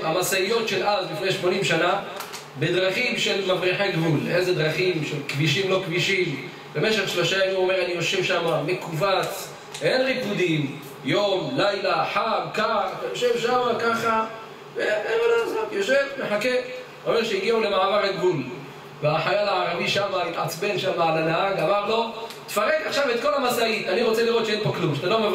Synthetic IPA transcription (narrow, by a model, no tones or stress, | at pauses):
amasaijo̞t̪ʃelʔazbifnejʃmo̞nimʃana | bed̪ʁaχimʃe̞lmafʁiħeɡvulezed̪ʁaχimʃelkbiʃimlo̞kbiʃim | be̞meʃe̞χʃloʃaemuomeʁanijo̞ʃe̞vʃamame̞kuvat͡s | enʁipud̪im | jo̞mlajlaħamkaχat̪ajo̞ʃe̞vʃamakaχa | veemalozavjoʃevmeħake | omeʁʃeiɡiʕule̞maʕavaʁaɡɡul | veaħajalaʕaʁaviʃamait̪ʕat͡sbenʃamaalanaɦaɡamaʁlo̞ | t̪faʁekaχʃavet̪̚ko̞lamasait̪aniʁot͡seliʁo̞t̪ʃeenpoklumʃat̪alo̞me